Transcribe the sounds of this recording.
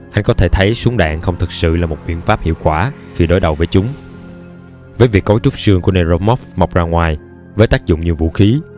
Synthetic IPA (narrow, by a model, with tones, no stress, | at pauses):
ʔa˧ŋkɔ˨˦t̪ʰe˧˩t̪ʰə˨˦jsu˨˦ŋ͡mɗa̰ː˧˨ŋxə˧wŋ͡mt̪ʰɨ˨˩k̚sɨ̰˧˨laː˨˩mo˨˩t̚ɓḭ˧˨ənfaː˦˥p̚hḭ˧˨əwkwaː˧˩ | xi˧ɗo˨˦jɗə˨˩wvəː˨˦jt͡ɕʊ˨˦ŋ͡m | vəː˨˦jvi˨˩əkːo˨˦jt͡ɕʊ˦˥k͡p̚sɨ˧əŋku˧˩əne˧zo˧mɔ˦˥fma˨˩wk͡p̚zaː˧ŋwaː˨˩j | vəː˨˦jt̪aː˦˥k̚zʊ̰˧˨ŋ͡mɲi˨˩wvṵ˧˨xi˨˦